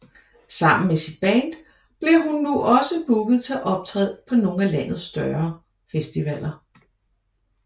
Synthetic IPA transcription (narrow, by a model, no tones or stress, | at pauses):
sɑ̈m̰n̩mesid̥̚b̥æːnd̥ | b̥le̝ɦunːuʔɒ̽səb̥uɡ̥ð̩ˠt͡sʰe̝æʔɒ̽b̥̚t͡sʰʁɛ̰ð̰ˠpʰɒ̽no̝ːŋ̩ælæn̰ð̞̩ˠsːd̥ɶɐ | fesd̥iʋɛl̰ʔɐ